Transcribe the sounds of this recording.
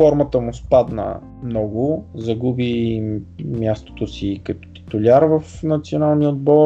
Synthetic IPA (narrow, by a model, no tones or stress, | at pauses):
fɔɾmət̪əmʊspad̪nə̰ | mnɔɡʊzɐɡubi | mʲjast̪o̥t̪osikɐt̪ɔ̥t̪i̥t̪ʊlʲaɾvəfnɐt̪sionalˠniəod̪̚bɔ